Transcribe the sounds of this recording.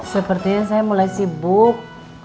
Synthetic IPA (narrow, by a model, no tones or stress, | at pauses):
səpərt̪iɲans̬ajamulajsibuk̚